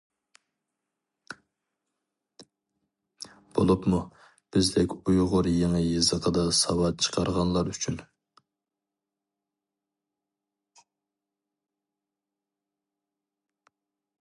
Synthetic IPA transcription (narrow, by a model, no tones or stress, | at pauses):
b̥o̰lˠupmu | b̥ɪzd̪ɪkʲujʁʊɾjeŋɨjɨzəqʰəd̪ɑsɑwɑt̪̚t͡ʃʰə̥qʰɑɾʁɑnlˠɑɾyt͡ʃʰyn